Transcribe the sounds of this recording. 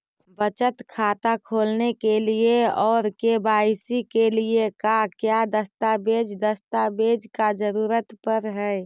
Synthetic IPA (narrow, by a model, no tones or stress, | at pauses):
bət͡ʃət̪kʰat̪akʰoːlnekelieɔːɾkebaɪsikeliekakjad̪əst̪abed͡ʒd̪əst̪abed͡ʒkad͡ʒəɾuːɾət̪pəɾɦɛj